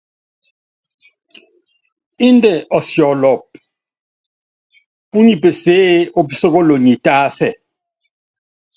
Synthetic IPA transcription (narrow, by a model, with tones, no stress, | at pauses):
i˦ndɛ˨ʔɔ˨sjɔ˨lɔ˨p̚ | pu˦ni˨pe˨se˦o˦pi˦sɔ˦kɔ˦lo˨ni˨taː˦sɛ˨